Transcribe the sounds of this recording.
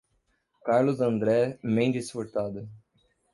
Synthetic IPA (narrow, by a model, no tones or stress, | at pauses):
kaɾlʊzɐ̃nd̪ɾɛmẽj̃d͡ʒisfoɾt̪ad̪ʊ